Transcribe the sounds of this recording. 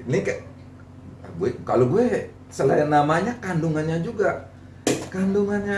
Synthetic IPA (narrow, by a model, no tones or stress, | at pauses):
nika | a̰ɡuɛkaloɡuɛ | səla̰janːamaɲakanduŋanɲad͡ʒuɡa | kanduŋanɲa